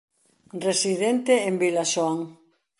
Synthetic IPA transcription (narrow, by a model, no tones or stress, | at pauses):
resiðent̪eembilaʃoaŋ